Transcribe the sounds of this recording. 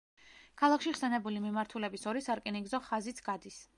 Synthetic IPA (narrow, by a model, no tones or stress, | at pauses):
kʰalˠakʃiχsɛnɛbulimimaɾt̪ʰulɛbisɔɾisaɾkʼɛniŋɡzɔχazit̪sʰɡ̥ad̪is